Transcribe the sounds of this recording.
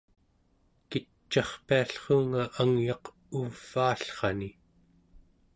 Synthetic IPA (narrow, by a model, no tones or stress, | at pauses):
ki | t͡ʃːɑχpiaɬχoːŋaʔaŋjɑq | uv̥ːaːɬχɑni